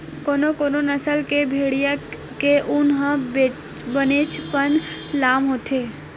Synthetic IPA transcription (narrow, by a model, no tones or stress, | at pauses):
konokoːnonəsəlkebʱeɽija | keʔʊnɦə̃be | bənet͡ʃpənlaːmɦot̪ʰe